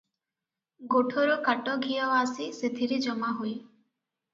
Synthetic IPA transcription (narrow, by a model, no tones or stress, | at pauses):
ɡoʈʰoɾɔkaʈɔɡʱijɔʋasiset̪ʰiɾid͡ʒɔmaɦuj